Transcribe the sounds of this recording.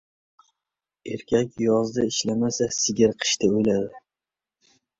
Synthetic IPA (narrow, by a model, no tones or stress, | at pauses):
eɾkʲʰakʲjɒzd̪aɪʃlamasasɪɡʲɪɾqʰɨ̥ʃt̪aojlad̪ɪ